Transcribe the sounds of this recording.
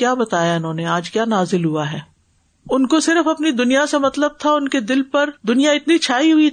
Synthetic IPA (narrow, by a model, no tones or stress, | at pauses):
jaːbɐt̪aːjaɪnɦõːneaːd͡ʒkjaːnaːzɪlɦuaɦɛː | ʊnkosɪɾəfɐpnid̪ʊnijasemɐt̪ləb̚t̪ʰaʊnked̪ɪlpɐɾd̪ʊnijaɪt̪nit͡ʃʰaːiɦʊi